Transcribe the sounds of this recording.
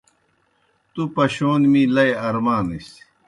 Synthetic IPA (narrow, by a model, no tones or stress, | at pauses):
t̪upɐɕoːnmĩlɐjɐɾmaːnis